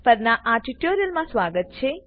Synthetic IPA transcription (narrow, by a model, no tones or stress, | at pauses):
pɐɾnaʔaːʈiʈːoːɾijɐlmãːsʋaːɡɐt̪̚t͡ʃʰe